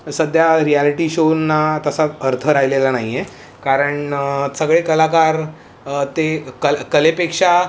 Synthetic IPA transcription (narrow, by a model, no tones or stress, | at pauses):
səd̪ʱjaɾialiʈiɕonːat̪əsaəɾt̪ʰəɾajlelanajje | kaɾəɳsəɡɭekəlakaɾ | t̪ekəkəlepekʂa